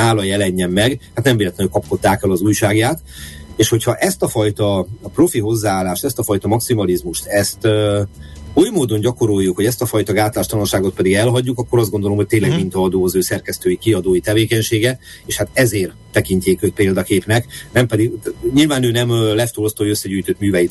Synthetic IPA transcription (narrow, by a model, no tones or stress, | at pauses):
aːlɒjɛlɛɲːɛmːɛɡhat̪nɛmveːlɛt̪lɛnkɒpko̞t̪ːaːkɛlɒzuːjʃaːɡjaːt̪ | eːʃho̞chɒʔɛst̪ɒfɒjt̪ɒːpro̞fiɦo̞zːaːlːaːʃt̪ɛst̪ɒfɒjt̪ɒmɒksimɒlizmuʃt̪ɛst̪ | ujmoːd̪o̞ɲɟɒko̞ɾojːukhoɟɛst̪ɒfɒjt̪ɒɡaːt̪laːʃt̪ɒlonʃaːɡo̞t̪̚pɛd̪iɡɛlɦɒɟːukɒkːo̞ɾɒzd̪ɡo̞nd̪o̞lo̞mhoc̚t̪eːnlɛɡmint̪ɒːd̪oːɒzøːsɛrkɛst̪øːjikiɒd̪oːjit̪ɛveːkɛɲʃeːɡɛ | eːʃhat̪ɛzeːr | t̪ɛkinɲc̪eːkøpeːld̪ɒkeːpnɛknɛmpɛd̪iɡɲilvaːnøːnɛmlɛft̪olost̪ɒoøsːɛɟyːjt̪øt̪myːvɛjit̪